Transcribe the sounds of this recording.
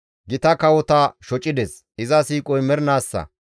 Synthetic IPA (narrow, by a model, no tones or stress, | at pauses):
ɡɪt̪ɐkɐwɔt̪ɐʃɔt͡ʃʼːɪd̪ɛs | ɪzɐsiːkʼɔjmɛɾnaːsːɐ̰